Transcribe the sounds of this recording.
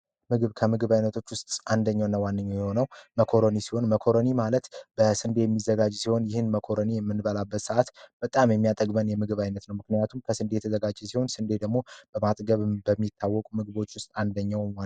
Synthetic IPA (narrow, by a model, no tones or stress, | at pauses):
mɨɡɨβkʰəmɨɡɨβajnːət̪ʰo̞t͡ʃːwʊst̪ʼand̪əɲːawnːəwanːɨɲːojɛho̞nəwməkʰo̞ɾonisi̥ho̞nməkʰo̞ɾonimalət̪b̥əsɨnd̪e̞jɛmːizːəɡad͡ʒsiho̞njɪhɨnməkʰo̞ɾonijɛmːɨnbəlabːət̪səʔat̪b̥ət̪ʼamjɛmːijat̪ʼəɡbənjɛmɨɡɨβajnːət̪nəwmɨknɨjat̪ʰumkʰəsɨnd̪ejɛt̪ʰəzəɡad͡ʒːɛsiho̞nsɨnd̪e̞d̪əɡmo̞b̥əmat̪ʼɡəβbəmːit̪ʰːawːɔkʼumɨɡɨβo̞t͡ʃːwʊst̪ʼand̪əɲːawwa